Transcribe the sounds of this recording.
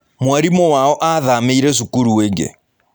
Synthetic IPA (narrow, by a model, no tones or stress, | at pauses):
mwaɾimɔwaɔʔaðameiɾes̬ukuɾuweːŋɡḛ